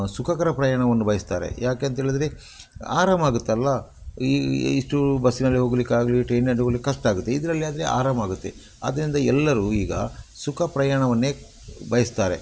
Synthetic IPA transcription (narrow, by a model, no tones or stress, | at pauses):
sukʰɐkɐɾɐpɾɐjaːɳɐʋɐnːubɐjɐst̪aːɾḛjaːkeːɐnt̪eːɭid̪ɾe | a̰ːɾaːmaːɡut̪ːeɐlːɐ | iiʂʈubɐsːinɐlːiɦoːɡɐlikːaːɡɐliʈɾeːnɐɳʈoɡɐlikːɐʂʈaːɡut̪ːeid̪ɐɾɐlːiaːd̪ɐɾḛa̰ːɾaːmaːɡut̪ːe̞̰ | ɐ̰d̪ɐɾind̪ɐɛlːɐɾuiːɡɐsukʰɐpɾɐjaːɳɐʋɐnːe̞ː | bɐjɐst̪aːɾe̞